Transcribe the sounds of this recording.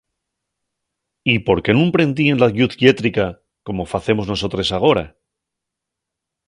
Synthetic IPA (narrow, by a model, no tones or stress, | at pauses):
ipo̞ɾke̞nũmpɾe̞nd̪ie̞nlaɣjuθɡje̞t̪ɾika | ko̞mo̞faθe̞mo̞zno̞so̞t̪ɾe̞saɣ̞o̞ɾa